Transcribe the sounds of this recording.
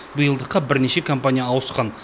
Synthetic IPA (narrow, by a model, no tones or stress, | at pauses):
bəjəlˠd̪əqːɑbɪɾne̞ʃe̞kʰompanʲijaːwəsqɑn